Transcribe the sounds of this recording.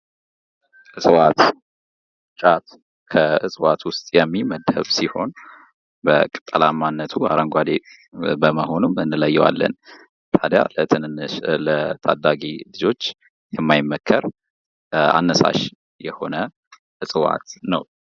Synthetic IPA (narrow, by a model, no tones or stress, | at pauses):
ʔɨsʼɨwat̪ | t͡ʃʼat̪ | kʰəɨsʼɨwat̪wʊst̪ʼjɛmːiməd̪ə̰βsiho̞n | bəkʼɨ̥t̪ʼːəlamːanːət̪ʰuaɾəŋɡʷad̪et | bəməho̞numɨnːɨləjːɛwa̰lːə̰n | t̪ʰad̪ja̰əɨnnlət̪ʰad̪aɡilɨd͡ʒo̞t͡ʃː | jɛmːajɪmːəkʰːəɾ | a̰nːəsa̰ʃ | jɛho̞nə | ʔɨsʼɨwa̰t̪nəw